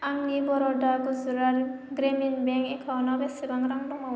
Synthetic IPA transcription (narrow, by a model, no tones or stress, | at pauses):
aŋnibɔɾɔdaɡuzɾaɾ | ɡɾeminbɛŋkɛkʰawnɔbɛsibaŋɾaŋdɔŋa